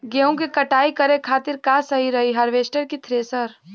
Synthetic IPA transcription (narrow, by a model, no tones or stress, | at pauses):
ɡeːɦũkekɐʈaːikɐɾekʰaːt̪ɪɾkaːsɐɦiɾɐɦiɦaɾʋeːsʈəɾkit̪ʰɾeːsəɾ